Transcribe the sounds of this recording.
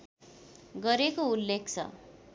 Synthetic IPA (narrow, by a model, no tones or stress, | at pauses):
ɡʌɾekoulːek̚ʰt͡sʰʌ̰